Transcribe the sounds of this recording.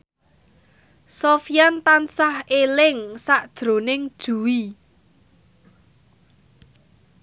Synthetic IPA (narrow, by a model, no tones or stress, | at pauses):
sofijant̪ansahelɪŋsaʔd̥ʒ̥ɾo̤nɪŋd̥ʒ̥uwi